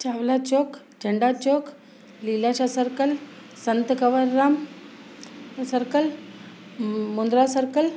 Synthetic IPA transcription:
t͡ʃaːʋlat͡ʃoːk | d͡ʒəɳɖaːt͡ʃoːk | lilaʃasəɾkəl | sənt̪kəʋəɾːaːm | səɾkəl | mund̪ɾasəɾkəl

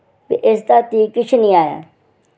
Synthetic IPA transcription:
pḛʔɪst̪aːt̪iːkːɪt͡ʃʰnĩːaːja̰ː

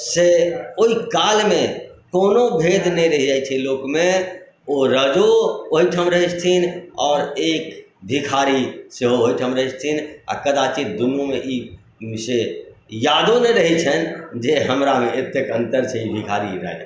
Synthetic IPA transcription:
seoikaːlmẽkoːnobʱeːd̪ʱnẽɾəɦid͡ʒait͡ʃʰɛloːkmẽ | oɾəd͡ʒoɦoiʈʰəmɾəɦɛt͡ʃt̪ʰinɔːɾeːk | bʱikʰaːɾiseɦoɦoiʈʰəmɾəɦist̪ʰina̰kəd̪at͡ʃid̪unumeʔi | msejaːd̪oneɾəɦit͡ʃʰənd͡ʒeɦəmɾamẽet̪ekə̃nt̪əɾt͡ʃʰeibʱikʰaːɾḭɾə̰ɦɛ̰

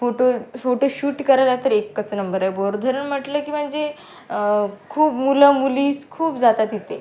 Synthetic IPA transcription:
foʈooʈəɕuːʈkəɾajlat̪əɾekːət͡sənəmbəɾajboɾd̪ʱəɾəɳm̤əʈləkiːm̤əɳd͡ze | kʰuːpmuləmuliːskʰuːpd͡zat̪at̪it̪e

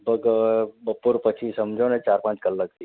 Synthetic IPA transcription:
bəɡbəpuːɾpət͡ɕʰĩsəmd͡ʒʱonet͡ɕaɾpãt͡ʃkəllək̚t̪i

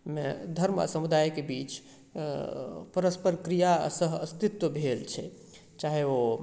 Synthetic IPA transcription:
med̪ʱəɾma̰səmud̪ajkebit͡ʃ | pəɾəspəɾkɾijasəɦəst̪it̪wəbʱelt͡ʃʰɛ | t͡ʃaɦeo

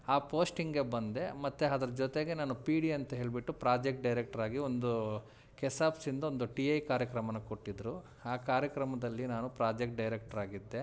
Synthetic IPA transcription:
aːpo̞ːsʈiŋɡe̞bɐnd̪e̞mɐt̪ːeɐd̪ɐɾɐd͡ʒot̪e̞ɡe̞naːnupiːɽiɐnt̪ɐɦe̞ːɭibiʈːupɾaːd͡ʒek̚ʈ̚ɖɐjɾek̚ʈɐɾaːɡio̞nd̪u | kɛsaːpsind̪ɐo̞nd̪uʈiɐjkaːɾjɐkɾɐmɐnɐkoʈːid̪ɾu | aːkaːɾjɐkɾɐmɐd̪ɐlːinaːnupɾaːd͡ʒek̚ʈ̚ɖɐjɾek̚ʈɐɾaːɡid̪ːe̞

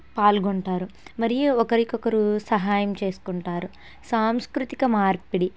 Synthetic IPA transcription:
paːlɡoɳʈaːɾumɐɾijuɔkɐɾikɔkɐɾusɐɦaːjɐmt͡ʃe̞ːsu̥kuɳʈaːɾu | saːmskɾut̪ikɐmaːɾpiɽi

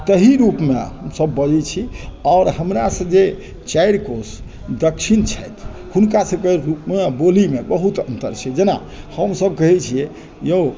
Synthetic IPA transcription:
t̪əɦiɾupmeɦəmsəbːəd͡ʒɛt͡ʃʰiɔːɾɦəmɾasə̃d͡ʒe | t͡ʃajɾkos | d̪əkt͡ʃʰint͡ʃʰɛjt̪ʰ | hunkasəbkeɾupmebolimebəɦut̪ə̰nt̪ə̰ɾt͡ʃʰɛd͡ʒena̰ | həmsəb̚kəɦɛt͡ʃʰiɛ | je

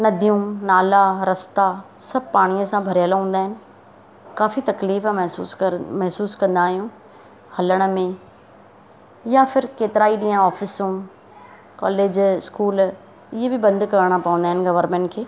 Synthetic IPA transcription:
nɐd̪ʱijũnaːlaɾɐst̪asɐb̚ʱpaːɽ̃ijəsãbʱɐɾjaːlaɦũːnd̪aːɦɪnɪ̆ | kaːfit̪ɐkliːfmɛɦuːsmɐɦsuːskɐ̃nd̪aːɦijũ | hɐləɽ̃ə̆mẽ | jafɪɾkeːt̪ɪɾaːiɗĩːãɔːfɪsũ | kɔ̰ːleːd͡ʑɪskuːl | ɪɦebɪbɐ̃nd̪kɐɾəɽ̃apɐʋə̃nd̪aːɦɪnɪ̆ɡɐʋəɾmẽːɳʈkʰeː

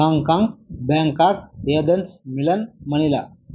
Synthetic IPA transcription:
ãŋkãŋɡbãŋkak̚jəd̪ənt͡smilənməɽ̃ila

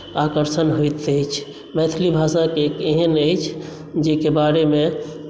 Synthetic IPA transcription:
akəɾsənɦojt̪əjt͡ʃʰ | mɛt̪ʰlibʱasakekeɦənəjt͡ʃʰ | d͡ʒekebaɾeme

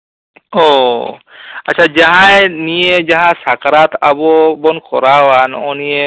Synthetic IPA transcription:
ɔ | atːt͡ʃʰad͡ʒaɦãjnijed͡ʒaɦãsakaɾat̪abɔbɔnkɔɾawanɔnije

